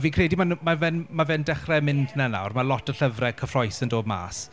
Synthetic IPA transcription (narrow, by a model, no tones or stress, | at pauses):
viːkʰrɛdimanmavɛnmavɛndɛχrɛmɪndnana̰wrmalˠɔtʰəɬəvrɛkʰəfrɔjsəndoːdma̰ːs